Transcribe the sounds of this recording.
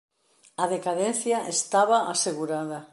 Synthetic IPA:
aðekaðenθjaʔest̪aβaʔaseɣuɾaða

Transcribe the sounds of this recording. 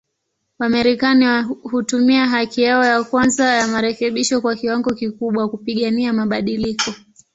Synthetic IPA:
wamaɾikanihutumiaɦakijaɔjakwanzajamaɾɛkɛɓiʃɔkwakiwaŋɡɔkikuɓwakupiɠaniamaɓaɗilikɔ

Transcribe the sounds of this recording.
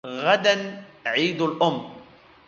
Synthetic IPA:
ɣad̪anʕiːd̪alʔʊmː

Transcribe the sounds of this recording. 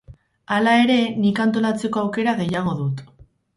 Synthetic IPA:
alae̞ɾe̞nikant̪̬o̞lat͡se̞ko̞awke̞ɾaɣe̞jaɣ̞o̞ðut̪

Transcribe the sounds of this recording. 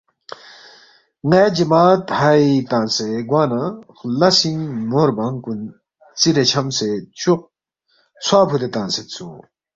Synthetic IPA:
ŋɛːd͡ʑimaːt̪hɐjt̪ãːnseɡwaːna | lasiŋmoɾbaŋkun | t͡siɾet͡ɕʰɐmset͡ɕuq̚ | t͡sʰwaːpʰud̪et̪ãnset͡sʰu

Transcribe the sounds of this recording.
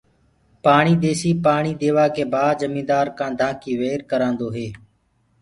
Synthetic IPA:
paːɳiːd̪eːsiːpaːɳiːd̪eːʋaːkeːbʱaːd͡ʒəmĩːd̪aːɾkãːd̪ʱãːkiːʋeːɾkəɾãːnd̪oːɦeː

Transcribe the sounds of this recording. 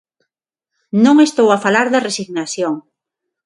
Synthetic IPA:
nõŋest̪owafalaɾðɐresiɣnaθjoŋ

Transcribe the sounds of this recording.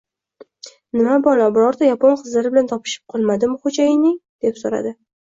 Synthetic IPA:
nɪmabɒlabʊɾɒɾd̪ajaponqʰɨzlaɾɪbɪlant̪ʰɒpʰɪ̥ʃɪ̥p̚qʰɒlˠmad̪ɪmʊχod͡ʒajɪnɪŋd̪̥e̞psoɾa̰d̪ɪ

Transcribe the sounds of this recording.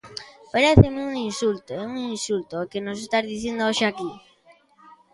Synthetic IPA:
peɾeθemeuŋinsult̪oeuŋinsult̪okenosest̪azðiθjend̪ooʃeaki

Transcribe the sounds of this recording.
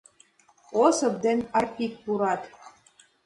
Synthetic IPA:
osɤ̆pd̪enɑrpʲik̚puɾɑt̪

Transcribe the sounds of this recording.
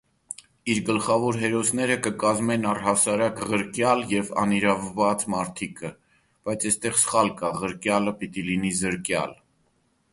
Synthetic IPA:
iɾɡəlχɑvɔɾɦɛɾɔsnɛɾəkəkɑzmɛnɑrhɑsɑɾɑkʁəɾkjɑljɛvɑ̰niɾɑvːɑt͡smɑɾt̪ʰikʰə | b̥ɑjt͡sʰɛst̪ɛʁsə̥χɑlkɑʁəɾkjɑləpit̪ilinizəɾkjɑ̰l

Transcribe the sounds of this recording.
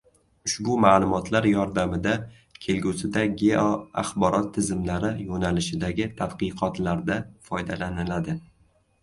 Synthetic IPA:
ʊʃbʊmaːlˠʊmɒt̪ʰlaɾjɒɾd̪amɪd̪a | kʲʰe̞lɡʲusɪd̪aɡʲeoa̰χbɒɾɒt̪ʰːɪzɪmlaɾɪjonalɪʃɪd̪aɡʲɪt̪ʰad̪qɨqʰɒt̪laɾd̪afɒjd̪alanɪlad̪ɪ

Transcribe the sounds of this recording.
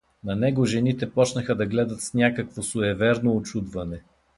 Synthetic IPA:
nɐnɛɡoʒɛnit̪ɛpɔt͡ʃnəxəd̪ɐɡlɛd̪ət̪snʲakəkvosʊɛvɛɾnoːt͡ʃud̪vɐnɛ

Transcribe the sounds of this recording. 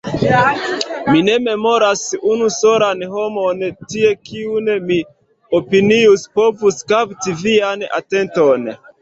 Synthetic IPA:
mine̞me̞mo̞ɾasunuso̞ɾanho̞mo̞ntie̞kiunmi | opiniuspo̞vuskaptiviana̰te̞nto̞n

